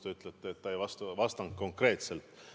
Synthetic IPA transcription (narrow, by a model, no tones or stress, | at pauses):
t̪eyt̪ˑlet̪ːeːt̪ːɑejvɑst̪uvɑst̪ɑŋ̚ko̞ŋkre̞ːt̪se̞lt̪